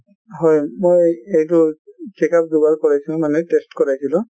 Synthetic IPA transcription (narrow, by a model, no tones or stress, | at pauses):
ɦɔjmojejtʊt͡ʃekap̚dubalkɔɹajsilʊ̃manɛtestkɔɹajsilʊ̃